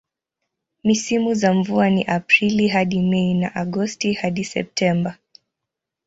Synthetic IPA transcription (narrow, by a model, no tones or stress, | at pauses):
misimuzaɱvuaniʔapɾiliɦaɗimɛina̰ʔaɡɔstihaɗisɛ̰p̚tʰɛmba